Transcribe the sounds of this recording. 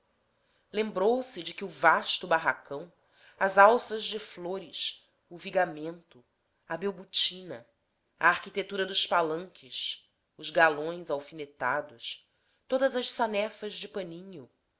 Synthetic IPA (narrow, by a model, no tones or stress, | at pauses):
lẽmbɾowsɪd͡ʒɪkɪʊvaʃt̪ʊbaɦakɐ̃w̃ | ɐzawsɐʒd͡ʒɪfloɾɪs | ʊviɡamẽnt̪ʊ | ɐbewbut͡ʃĩnɐ | a̰aɾkit̪et̪uɾɐd̪ʊʃpalɐ̃ŋkʰɪʃ | ʊzɡalõj̃zawfinet̪ad̪ʊs | t̪od̪ɐzɐʃsanɛfɐzd͡ʒɪpɐ̃nĩɲʊ